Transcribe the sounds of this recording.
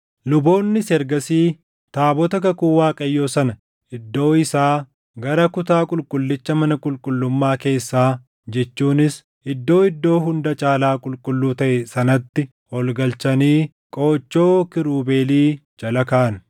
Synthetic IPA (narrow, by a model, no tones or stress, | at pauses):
lʊbo̞ːnːɪsɛɾɡɐsiː | t̪aːbɔt̪ɐkɐkuwaːkʼɐjːo̞ːsɐnɐ | ʔɪd̪ːo̞ːɪsaː | ɡɐɾɐkʊt̪aːkʼʊlkʼʊlːɪt͡ʃːɐmɐnɐkʼʊlkʼʊlːʊmːaːke̞ːsːaː | d͡ʒɛt͡ʃːuːnɪs | ʔɪd̪ːo̞ːɪd̪ːo̞ːɦʊnd̪ɐt͡ʃʼaːlaːkʼʊlkʼʊlːuːt̪ɐʔɛsɐnɐt̪ːɪ | ɔlɡɐlt͡ʃɐniː | kʼo̞ːt͡ʃːo̞ːkɪɾuːbe̞ːliːd͡ʒɐlɐkaʔɐn